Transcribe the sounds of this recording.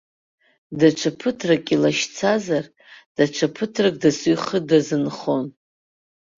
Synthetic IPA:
daʈ͡ʂʷʰapʰɨtʰrakʼilaʃt͡sʰazar | d̥aʈ͡ʂʷʰapʰɨtʰrak̚ʼdasujχədazɨnχo̞n

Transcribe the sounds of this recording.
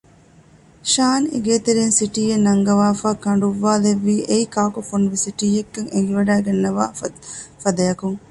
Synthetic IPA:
ʃaːneɡeːt̪eɾeːnsiʈiːenːɐŋɡɐʋaːfaːkɐɳ̆ɖuʋːaːleʋːiːʔeikaːkufunuʋisiʈiːjekːɐŋeŋɡiʋɐɖæːɡɐnːɐʋaːfɐd̪ɐjɐkuŋ

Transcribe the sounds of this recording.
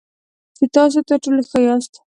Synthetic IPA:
set̪ɑs̬ot̪əɾʈoloxəjɑst̪

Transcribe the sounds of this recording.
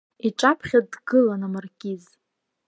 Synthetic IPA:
iʈ͡ʂʼapʰχʲadɡɨlanamarkʲʼiz

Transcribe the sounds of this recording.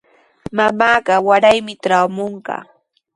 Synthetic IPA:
mamaːɢɑwaɾajmɪʈ͡ʂawmoɴɢɑ̰ː

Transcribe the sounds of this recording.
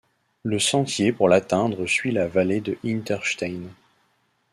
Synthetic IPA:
ləsɑ̃t̪jepuʁlat̪ɛ̃d̪ʁəsɥilavaled̪əʔint̪ɛʁʃt̪ajn

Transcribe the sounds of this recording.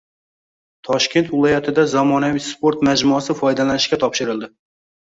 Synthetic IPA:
t̪ʰɒʃkʲe̞nt̪vɪlˠɒjat̪ʰɪd̪azɒmɒnavispo̞ɾt̪mad͡ʒmɒsɪfɒjd̪alanɪʃkʲat̪ʰɒpʃɪɾɪlˠd̪ɪ

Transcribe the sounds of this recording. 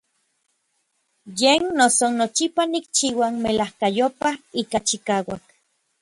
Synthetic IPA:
jennosonot͡ʃipanik̚t͡ʃiwanmelahkajopaikat͡ʃikaːwak

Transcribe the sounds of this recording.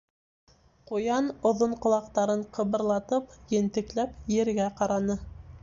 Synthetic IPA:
qujɑnŏðoɴqŏlˠɑq̚t̪ɑɾɤɴqʰɤ̆βɤ̆ɾlˠɑt̪ɤpjɘ̆nt̪ɘ̆klæpjɘ̆ɾɡæqɑɾɑnɤ

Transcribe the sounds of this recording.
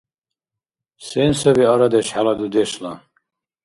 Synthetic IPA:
sɛnsaviaɾad̪ɛʃħalad̪ud̪ɛʃla

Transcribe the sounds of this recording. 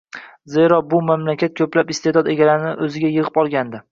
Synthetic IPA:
ze̞ɾɒbʊmamlakʲat̪̚kʲʰɵplapɪst̪e̞d̪ɒd̪e̞ɡʲalaɾɪnɪʔɵzɪɡʲajɨʁɨpɒlˠɡʲand̪ɪ

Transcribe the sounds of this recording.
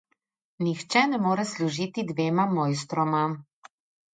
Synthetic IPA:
nixt͡ʃɛnɛmoːɾɛsluʒiːt̪id̪ʋeːmamoːjst̪ɾɔma

